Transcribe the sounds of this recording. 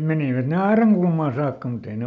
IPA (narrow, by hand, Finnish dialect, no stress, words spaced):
meniʋæt ne ɑerɑŋkulmɑː sɑːkːɑ mut ei ne